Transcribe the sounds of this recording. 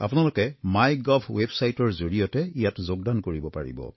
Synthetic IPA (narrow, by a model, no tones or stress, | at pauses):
a̰pʊnalʊkɛmajɡɔbʰwebsajtɔɹzoɹijɔtɛijatzoɡ̚dankoɹibɔpa̰ɹḭbɔ̰